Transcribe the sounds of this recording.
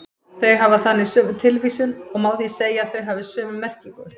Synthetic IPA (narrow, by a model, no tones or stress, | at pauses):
θœɥɦavaθanːɪsʏːvʏt̪ʰɪlviːsʏnɔɣmaːwθiseːjaθœɥɦavɪsœːvʏmːɛr̥ciŋkʏɾ̥